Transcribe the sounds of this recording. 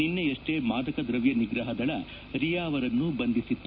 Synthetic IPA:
inːeɐʂʈe̞ːmaːd̪ɐkɐd̪ɾɐʋjɐniɡɾɐɦɐd̪ɐɭɐ | ɾijaːɐʋɐɾɐnːubɐnd̪isit̪ː

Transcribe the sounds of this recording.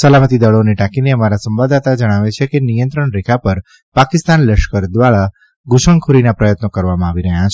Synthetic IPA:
səlamət̪id̪əɭoneʈakineəmaɾasəmʋad̪at̪ad͡ʒəɽ̃aʋet͡ʃʰekenijə̃nt̪ɾəɳɾekʰapəɾ | pakɪst̪anləʃkəɾd̪ʋaɭa | ɡuʃəŋkʰuɾinapɾəjət̪nokəɾʋamãaʋiɾəɦjãt͡ʃʰ

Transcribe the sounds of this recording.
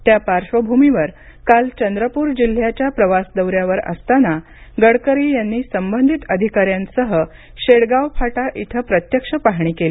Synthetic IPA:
t̪japaɾʂʋəbʱumiʋəɾ | kalt͡ɕənd̪ɾəpuɾd͡ʑil̤jat͡ɕjapɾəʋasd̪əwɾjaʋəɾə̰st̪ana | ɡəɽkəɾiːjanːiːsəmbənd̪ʱit̪əd̪ʱikaɾjãnsəɦə | ɕeɽɡawpʰaʈaʔit̪ʰəpɾət̪jəkʂəpaɦɳ̃iːkeli

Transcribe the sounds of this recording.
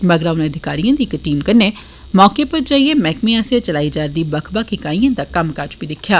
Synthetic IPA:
məɡɾaːʊnẽːəd̪ʱɪkaːɾijãːd̪iːkʈiːmkəɾneː | mɔːkepəɾd͡ʒaːiːemɛːkmẽɛseːt͡ʃəlaːiːd͡ʒaːɾd̪iːbəkʰbaːkʰɪkaːĩjãːd̪aːkəmkəɾt͡ʃbiːd̪ɪkʰːjaː

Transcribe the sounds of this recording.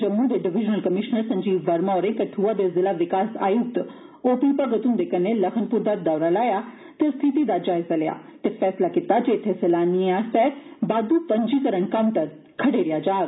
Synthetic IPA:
d͡ʒəmːud̪eɖɪʋɪd͡ʒnəlkəmɪʃnəɾsɐ̃ɲd͡ʒiːʋːɐɾmaoɾek̪et̪ʰuad̪ezɪlaʋɪkaːsa̰ːjuk̚t̪ | oːpipəɡət̪und̪ekɐneləkʰənpuɾd̪aːd̪aːʊɾalaːja | t̪est̪ʰit̪id̪ad͡ʒaːɪzaleja̰ː | t̪efʰɛːslakɪt̪ad͡ʒet̪ʰːeselaːnieaːsɛbaːd̪upəɲd͡ʒikəɾəɳkɐmt̪ɐɾ | kʰɐɽeɾɪjad͡ʒaː

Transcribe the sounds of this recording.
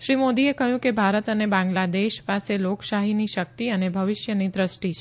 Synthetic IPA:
ʃɾimod̪iekəɦjũkebʱaɾət̪ənebãŋɡlad̪eʃpaselokʃaɦiniʃək̚t̪iənebʱəʋɪʃjənid̪ɾəʃʈit͡ʃʰ

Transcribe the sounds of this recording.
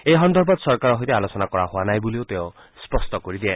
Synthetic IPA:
ejɦɔnd̪ʱɔɾbɔd̪sɔɾkaɾɔɦojt̪ealosɔnakɔɾaɦoanajbuliot̪eõ | spɔsʈɔkoɾid̪ie

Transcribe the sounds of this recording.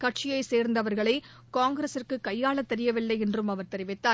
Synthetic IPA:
kɐʈ̚t͡ʃɪjɐɪseːɾnd̪ɐʋɐɾɣɐɭɐɪ | kaːŋɡɪɾesɪrkɯkɐjːaːɭɐt̪ːɛɾɪjɐʋɪlːɐɪɛndrɯmɐʋɐɾt̪ɛɾɪʋɪt̪ːaː

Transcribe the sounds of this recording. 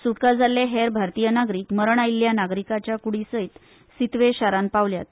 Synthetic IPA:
suʈkad͡zʱalːeɦeɾbʱaɾt̪ijənaɡɾiːkməɾəɳailːjanaɡɾikat͡ɕjakuɽisəjt̪ | sit̪ʋeɕaɾanpaʋlja̰t̪̚

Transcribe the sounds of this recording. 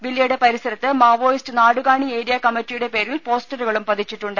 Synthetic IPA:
ʋilːjɐjuɽe̞pɐɾisɐɾɐt̪ːɨmaːʋo̞ːjistɨnaːɽuɣaːɳieːɾijɐkɐmːɐtːijuɽe̞pe̞ːɾilpo̞ːsʈɐɾuɣɐɭumpɐd̪ʱit͡ɕːiʈːuɳɖɨ

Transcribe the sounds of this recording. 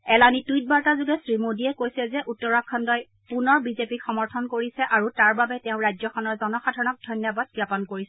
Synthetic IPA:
ɛlanitujt̚baɹtazʊɡɛsɹimodiɛkojsɛzɛʔutːɔɹakʰːɔndɔj | punɔɹbizepixɔmɔɹtʰɔnkoɹisɛʔaɹutaɹbabɛtɛʊ̃ɹajzɔxɔnɔɹzɔnɔxadʱaɹɔnɔk̚dʱɔjnjɔbad̚ɡjapɔnkoɹisɛ

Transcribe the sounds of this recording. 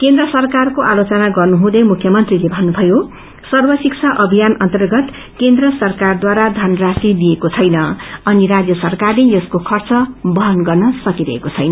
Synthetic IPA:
kend̪rʌsʌrkarkoʔalot͡sʌnaɡʌrnuɦũd̪ʌmukʰjʌmʌnt̪rilebʱʌnːubʱʌjo | sʌrbʌsikt͡sʰaʔʌbʱijanʌnt̪ʌrɡʌt̪ | kend̪rʌsʌrkard̪waɾad̪ʱʌnrasilijekot͡sʰʌjnʌʌniɾad͡zjʌsʌrkarlejʌskokʰʌrt͡sʌbʌɦʌnɡʌrnʌsʌkiɾʌ̰ɦḛkot͡sʰʌjnʌ

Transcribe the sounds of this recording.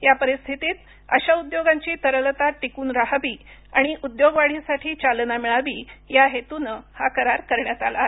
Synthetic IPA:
japəɾist̪ʰit̪iːt̪̚ | ə̰ɕaud̪joɡaɲt͡ɕiːt̪əɾələt̪aʈːikuːnɾaɦaʋiːaɽ̃iʔud̪joɡʋaɽ̤iːsaʈʰiːt͡ɕalnamiɭaʋiːjaɦet̪unəhakəɾaɾkəɾɳjat̪ala̰

